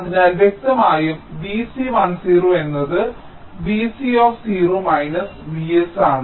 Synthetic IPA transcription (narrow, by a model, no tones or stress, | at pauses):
ðinaːlʋjek̚t̪ɐmaːjumbiːsiʋɐnsiːroːe̞nːɐðɨ | bisioːfsiːruːmɐjnɐsʋiesaːɳɨ